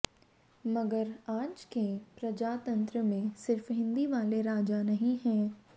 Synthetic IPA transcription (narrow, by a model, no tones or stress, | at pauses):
mɐɡəɾaːd͡ʒkepɾɐd͡ʒaːt̪ɐ̃nt̪ɾəmẽsɪɾfɦɪ̃nd̪iʋaːleɾaːd͡ʒanɐɦĩɦɛ̃ː